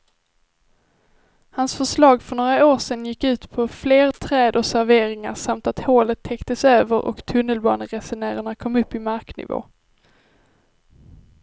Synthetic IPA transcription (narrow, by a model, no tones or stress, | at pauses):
hansfœʂlɑːɡfœɳoːɾaoːʂɛnjɪkːʉ̟ːt̪pʰɔfleːɾt̪ʰɾɛːd̪ɔsæɾveːɾɪŋa̰ʂamt̪at̪hoːlət̪ʰːɛkt̪əsøːvəɾʔɔ̰kt̪ʰɵnːəlbɑ̰ːɳəɾɛsʊnæːɾaɳakʰɔmːɵpːɪmaɾknɪ̰vo̰ː